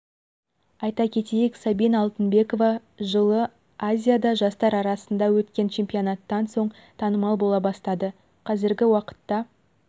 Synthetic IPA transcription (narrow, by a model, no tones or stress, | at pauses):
ɑjt̪ɑkʲʰe̞t̪ejeksabijnɑlˠt̪ənbe̞ko̞vɑ | ʒəlˠə | azʲijad̪ɑʒɑst̪ɑɾɑɾɑsənd̪ɑwɵt̪kʲe̞nt͡ʃʰe̞mpʲijo̞nɑt̪ːɑnso̞ɴ | t̪ʰɑnəmɑlˠbolˠɑbɑst̪ɑd̪ə | qʰɑzɪɾɡʲɪwɑqə̥t̪ːɑ